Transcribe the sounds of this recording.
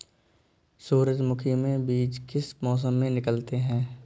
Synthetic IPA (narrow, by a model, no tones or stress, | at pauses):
suːɾəd͡ʒmʊkʰimẽbiːd͡ʒkɪsmɔːs̬əmːẽnɪkəlt̪eɦɛ̃ː